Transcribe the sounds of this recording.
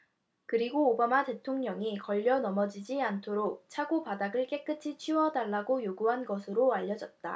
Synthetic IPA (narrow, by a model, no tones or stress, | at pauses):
kɯɾiɡoːbamate̞tʰoŋɲʌŋikʌʎːʌnʌmʌd͡ʑid͡ʑiantʰoɾok̚t͡ɕʰaɡopadaɡɯɭk͈e̞k͈ɯt͡ɕʰit͡ɕʰiwʌdaɭːaɡojoɡuɦanɡʌsʰɯɾoaʎːʌd͡ʑʌt̚t͈a̰